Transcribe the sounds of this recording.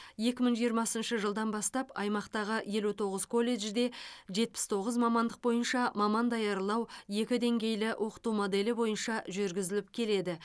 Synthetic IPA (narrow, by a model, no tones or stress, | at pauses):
je̞kʲɪməɴʒijəɾmɑsənʃəʒəlˠd̪ɑnbɑst̪ɑpɑjmɑqt̪ɑʁəje̞lut̪ʰo̞ʁəz̥kʰo̞lˠe̞ʒd̪e̞ʒe̞t̪̚pɪ̥st̪ʰo̞ʁəzmɑmɑnd̪əq̚bo̞jənʃɑmɑmɑnd̪ɑjɑɾlˠɑwje̞kʲɪd̪e̞ŋɡʲe̞jlɪwʔo̞qə̥t̪umo̞d̪e̞lɪbo̞jənʃɑʒʏɾɡʲɪzɪlɪp̚kʲʰe̞le̞d̪ɪ